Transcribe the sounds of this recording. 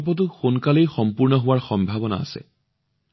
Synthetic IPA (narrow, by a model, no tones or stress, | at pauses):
p̬ɔt̬ʊxonkalejxɔmpuɹnɔɦʊwaɹxɔmbʱabɔna̰a̰sɛ̰